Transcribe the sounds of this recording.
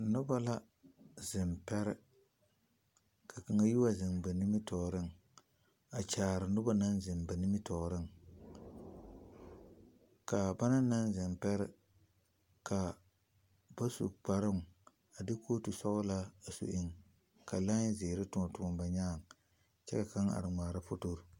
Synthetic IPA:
nʊ˦ba˦la˦ | zɪ˨mpɛ˦ɾɪ̰˦ | kʰa˨ki˨ŋa˦ji˦wa˦zɪ˨ŋba˨ni˦mɪ˦tʰɔː˨ɾɪ˦ŋ | a˨t͡ʃaː˨ɾɪ˨nʊ˦ba˦na˦nzɪ˨mba˨nɪ˦mɪ˦tɔː˨ɾɪ˦ŋ | ka˨ba˦na˦na˦n˦zɪ˨mpɛ˦ɾɪ̰˦ | kʰa˨ | b̥a˦sṵ˨k͡pa˨ɾɪ˦ŋ | a˨dɪ˦kʰoː˦tu˨sɔ˦ɣʊ˦la˦a˨sṵ˨ʔɪ˦˨ŋ | ka˨la˦zɪː˨ɾɪ˦tʊ˦ɔ˨tʊ˨ŋɔ˨mba˨ɲaː˦˨ŋ | t͡ʃɛ̰˦ka˨ka˦ŋa̰˨ɾɨ˨ŋ͡mʷaː˨ɾa˦pʊ˦to˦ɾ

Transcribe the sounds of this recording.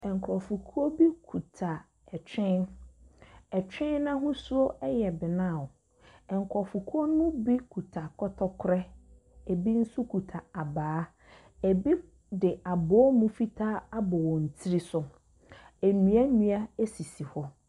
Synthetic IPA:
ɛ˨ŋ̩˨kʰɾɔ˨fu˨kʰu˦o˦bi˦kʰu˨tʰa˨ | ɛ˨t͡ɕᶣɪ̃˦n | ɛ˨t͡ɕᶣɪ̃˦nːã˦ɦʊ̃˦su˦o˦ɛ˦jɛ˨bɪ˨nã˦˨ɔ˨ | ɛ˨ŋ̩˨kʰɔ˨fu˨kʰu˦o˦nʊ̃˦ũ˦bi˦kʰu˨tʰa˨kʰɔ˦tʰɔ˦kʰʊ˦ɾɛ˦ | e˨bi˦n̩˦su˦kʰu˨tʰa˨a˨baː˨˦ | e˨bi˦ | dɪ˨a˨bɔ˨˦mũ˦fi˦tʰaː˦a˦bɔ˨wɔ̃˨n̩˨tʰi˦ɾi˦sʊ˨ | e˨nĩ˨˦a˦nĩ˨˦a˦e˦si˨si˨hɔ˦

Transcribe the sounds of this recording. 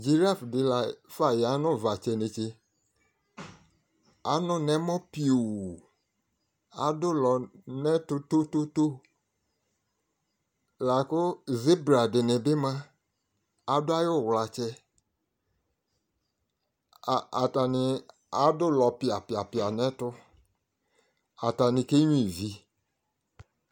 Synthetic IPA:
d͡ʒi˨ɾa˦˨fdɪ˨la˨fa˦˨ja˨˦nʊ̃˦˨va˨t͡ʃe˨nẽ˨t͡ʃe˦ | a˨nʊ̃˦nɛ̃˦mɔ̃˦pi˦o˨ | a̰˨dʊ˦lɔ˨nɛ̃˦tʊ˦to˦to˦to˦ | la˨kʊ˦zɪ˦bɾa˨dɪ˨nɪ˨bɪ˦mã˦ | a˨dʊ˦a˦jʊ˦˨wla˨t͡ʃɛ˦˨ | a˨ta˨nɪ˧ | a˦dʊ˦lɔ˨pɪ˨a˨pɪ˨a˨pɪ˨a˨nɛ̃˦tʊ˦ | a˨ta˨nɪ̃˨ke˦ɲĩ˨vi˨

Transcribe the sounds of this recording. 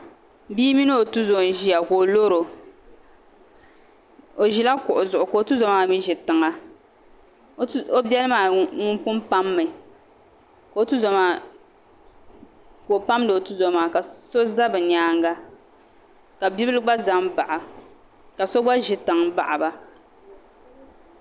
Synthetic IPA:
biː˦mi˦nɨ˦o˨tu˦zo˨ʒi˦ja˨ko˨lo˦ɾo˨ | o˨ʒi˦la˦kʊ˨ʔʊ˨zʊ˨ʔʊ˨ko˨o˨tu˦zo˨˦maː˦mi˦ʒɪ˨tɨ˨ŋa˦ | o˦bɛ˦lmaː˨ŋʊ˦pʊ˦mpa˦mːɨ˨ | ko˨o˦tu˦za˨maː˨ | koː˨pa˦mdɨ˨o˨tu˦zo˨maː˨ka˨so˦za˦bɨ˨ɲaː˦ŋ˦ɡa˦ | ka˨bi˦bɨ˦lɨ˦ɡ͡ba˦za˦mba˨ʔa˨ | ka˨so˦ɡ͡ba˦ʒɪ˨tɨ˨ŋba̰˨ʔa˨ba˦

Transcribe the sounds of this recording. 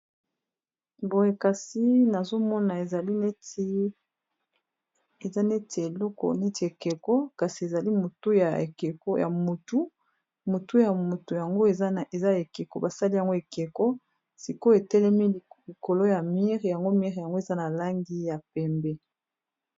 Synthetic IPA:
bo˨e˨ka˨si˦na˨zo˦mɔ˦na˨e˨za˨li˦ne˦t | e˨za˦ne˦te˨e˨lɔ˦kɔ̰˨ne˦ti˨e˨ke˨kɔ˦ka˨si˨e˨za˨li˦mo˨tu˦ja˨ḛ˨ke˨ko˦ja̰˨mo˨tu˦ | mo˨tu˦ja˨mo˨tu˨ja˨ŋɡo˦e˨ze˨za˦e˨ke˨ko˨ba˨sa˦li˦ja˨ŋɡo˦e˨ke˨kɔ˦ | si˨ko˦e˨tɛ˦lɛ˦mi˦li˨ko˨lo˦ja˨mi˦ʁja˨ŋɡo˦mi˦ʁja˨ŋɡo˦e˨za˦na˨la˦ŋɡi˦ja˨pɛ˨mbɛ˦

